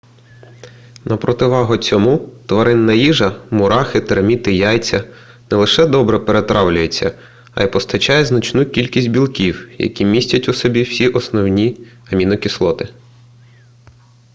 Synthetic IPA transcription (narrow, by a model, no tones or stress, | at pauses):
nɐpɾɔt̪ɪʋɑɦʊt͡sʲɔmut̪ʋɐɾɪnːɐjiʒɐmʊɾɑxɪt̪eɾmʲit̪ɪjɑjt͡sʲːɐ | nɛlˠɪʃɛd̪ɔbɾɛpeɾet̪ɾɑwlʲʊjet͡sʲːɐ | ɐ̰jpɔst̪ɐt͡ʃɑjɛznɐt͡ʃnukʲilʲkʲisʲtʲbʲilˠkʲiwjɐ̰kʲimʲisʲtʲɐtʲʊsɔbʲiwsʲiʔɔsnɔwnʲiɐmʲinɔkʲislˠɔt̪ɪ